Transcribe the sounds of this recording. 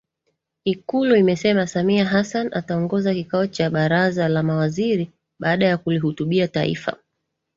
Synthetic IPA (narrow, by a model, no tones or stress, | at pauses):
ikuluimɛsɛmasamiaɦasana̰taɔŋɡɔzakikaɔt͡ʃaɓaɾazalamawaziɾi | ɓaːɗajakuliɦutuɓiataḭfa̰